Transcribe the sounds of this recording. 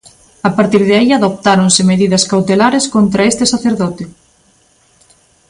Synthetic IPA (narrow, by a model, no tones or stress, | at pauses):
apaɾt̪iɾðeaiaðop̚t̪aɾonsɪmeðiðɐskawt̪elaɾeskont̪ɾɐest̪ɪsaθeɾðɔt̪ɪ